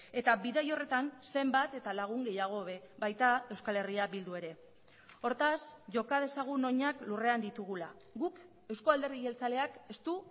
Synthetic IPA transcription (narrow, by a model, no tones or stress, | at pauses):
e̞t̪aβiðajo̞re̞t̪anse̞mbat̪e̞t̪alaɣ̞uŋɡe̞jaɣ̞o̞βe̞βajt̪ae̞wskale̞riaβild̪ue̞ɾe̞ | o̞ɾt̪asʝo̞kað̞e̞saɣ̞uno̞ɲaklure̞and̪it̪uɣ̞ula | ɣuk | e̞wsko̞ald̪eɾðije̞lt͡sale̞ake̞st̪u